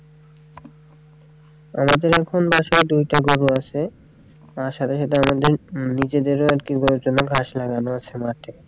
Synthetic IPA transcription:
a̰mad̪eɾɛkʰonbaʃaed̪ujʈaɡoɾuat͡ɕʰe | aɾʃat̪ʰeʃat̪eamad̪eɾnid͡ʑed̪eɾoaɾkiɡoɾud͡ʑonaɡʱaʃlaɡanoat͡ɕʰemaʈe

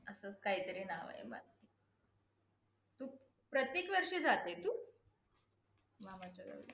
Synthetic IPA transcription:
əsəkaɦiːt̪əɾiːnaʋa̰ḛmə̰ | i | t̪uː | pɾət̪jekʋəɾʂed͡zat̪et̪uː | ʋamad͡ʑaɡə̰ʋ

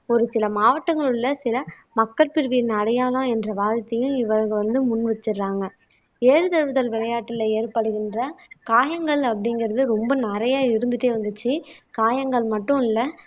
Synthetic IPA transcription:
ɔɾɯsɪlɐmaːʋɐʈːɐŋɡɐɭɯɭːɐsɪlɐ | mɐkːɐɾpɪɾʋɪnɐɽɐjaːlɐ̃ɛndrɐʋaːðɪt̪ːɐjʊ̃ɪʋɐɾɣɐʋɐnd̪ɯmʊnːʋɛt͡ʃːɯɾːaːŋɡɐ | eːɾɯt̪ɐɾʋɯðɐlʋɪlɐjaːʈːɪlɐeːɾpɐɽɯɣɪndrɐkaːjɐŋɡɐɭɐpːɐɽɪŋɡɪɾɐðɯɾɔmbɐnɛɾɐjaːɪɾɯnd̪ɯʈːeːʋɐnd̪ɯt͡ʃːɯkaːjɐŋɡɐɭmɐʈːɯ̃ɪlːɐ

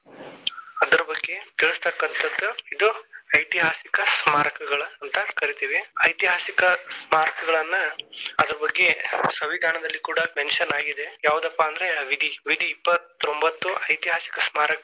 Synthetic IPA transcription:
ɐd̪ɐɾɐbɐɡːe̞t̪iɭɨst̪ɐkːɐnt̪ʰɐd̪ːuid̪uɐjt̪iɦaːsikɐsmaːɾɐkɐɡɐɭɐːnt̪ɐkɐɾit̪iːʋiɐjt̪iɦaːsikɐsmaːɾkʰɐɡɐɭɐnːɐːd̪ɐɾɐbɐɡːe̞sɐʋid̪ʱaːnɐd̪ɐlːikuːɽɐʈenʃɐnaːɡid̪ejaːʋud̪ɐpːɐːnd̪ɐɾe̞ʋid̪ʱiʋid̪ʱiːpːɐt̪ːo̞mbɐt̪ːuʔɐjt̪iɦaːsi̥kɐsmaːɾɐk

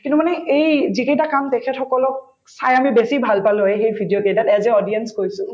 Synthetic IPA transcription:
kinumanɛʔejzikejtakamtɛkʰɛtxɔkɔlɔk̚ | sajamibesibʱalpaloɛxejbʱidijokedatɛzɛɔdiɛnskojsʊ̃

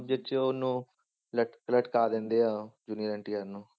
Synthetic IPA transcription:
d͡ʒɪt͡ʃʊnũː | ləʈləʈkaːd̪ẽːnd̪eːaːd͡ʒuːniɾə̃ɳʈijaːɾnũː

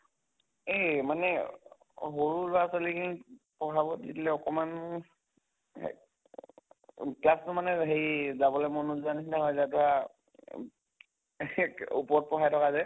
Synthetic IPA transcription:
emanɛ | ɦoɹuɹasalikʰinipɔɦabɔditilɛɔkɔman | klastʊmanɛɦejzabɔlɔmonuzuanisinaɦɔjzatɔa | upɔɔt̚pɔɦajtʰɔkazɛ

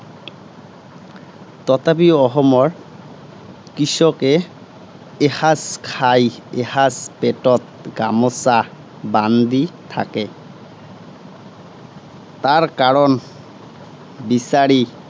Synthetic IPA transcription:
tɔtapiɔxɔmɔɹ | kisɔkɛː | haskʰajehaspɛtɔt̚ɡamɔsa | banditʰa̰kɛ | taɹkaɹɔn | bisaɹi

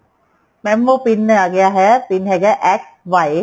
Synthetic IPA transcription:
mɛmːopinːəaɡeaɦɛpinɦɛɡɛʔɛk̚ | ʋaj

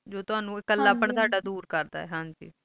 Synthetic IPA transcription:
d͡ʒoːt̪ʊaːnũːɪkːəlːaːpəɳt̪oaːɖaːd̪uːɾkəɾd̪a̰ːɛ̰ːɦãːd͡ʒḭː

